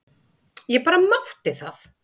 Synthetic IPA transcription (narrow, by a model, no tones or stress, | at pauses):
jɛpaːɾamaht̪ɪθaθ